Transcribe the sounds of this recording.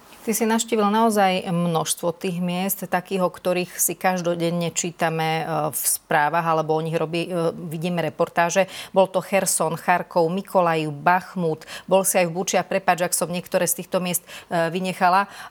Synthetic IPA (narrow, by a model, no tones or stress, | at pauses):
t̪isinaʊʃciːʋilnaɔzajmnɔʃst̪ʋɔt̪iːɣmɪɛst̪ːakiːɦɔkt̪ɔɾiːxsikaʒd̪ɔɟɛɲɛt͡ʃiːt̪amɛfspɾaːʋaɣalɛbɔɔɲiɣɾɔbiʋiɟiːmɛɾɛpɔɾt̪aːʒɛbɔlt̪ɔxɛɾsɔnxaɾkɔʊmikʰɔlajiʊbaxmuːt̪bɔlsiajvbut͡ʃiapɾɛpaːd͡ʒaksɔmɲɪɛkt̪ɔɾɛːst̪iːxt̪ɔmɪɛst̪ʋiɲɛxala